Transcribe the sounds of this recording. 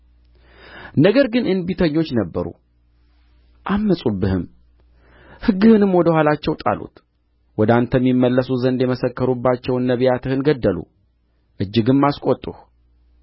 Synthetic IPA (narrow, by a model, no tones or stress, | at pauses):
nəɡəɾɡɨnʔɨnbit̪ʰəɲːo̞t͡ʃːnəbːəɾṵ | ʔamːəsʼubːɨhɨm | hɨɡːɨhɨnɨmwɔd̪əhalat͡ʃːɛwt̪ʼa̰lo̰t̪ | wɔd̪ant̪ʰəmːimːəlːəsuzənd̪jɛməsəkːəɾubːat͡ʃːɛwɨnːəβjat̪ʰɨhɨnɡəd̪ːəlṵ | ʔɨd͡ʒːɨɡɨnmaskʼot̪ʼːuh